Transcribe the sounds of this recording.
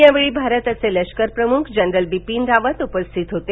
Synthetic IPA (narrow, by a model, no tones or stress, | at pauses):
jãʋɭibʱaɾət̪əseləʃkəɾpɾəmukʰd͡ʑənɾəlbipind̪aʋət̪upəst̪ʰit̪ɦot̪e